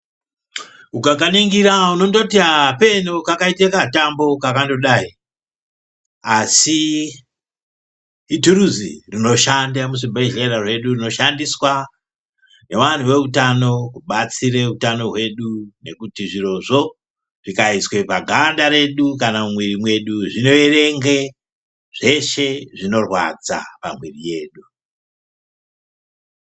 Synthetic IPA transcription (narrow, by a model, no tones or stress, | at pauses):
ukakaniŋɡiɾauno̞ndo̞tiape̞nokakaitekatambo̞kakando̞ɗai | asi | turuzḭrino̞ʃandamusimbeɮeɾarwe̞ɗurino̞ʃandiswa | ne̞ʋan̤uwe̞utano̞kuɓat͡siɾe̞utano̞ɦwe̞ɗune̞kutiʐiro̞ʐo̞ | ʐ̥ikaiswe̞paɡʱandaɾe̞ɗukanamumwirimwe̞ɗuʐino̞ere̞ŋɡe | ʐ̥e̞ʃe̞ʐino̞rwa̰d͡za̰pamwirije̞ːɗu